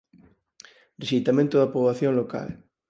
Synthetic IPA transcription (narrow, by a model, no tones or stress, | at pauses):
reʃit̪amẽnt̪oðapoβlaθjoŋloka̰l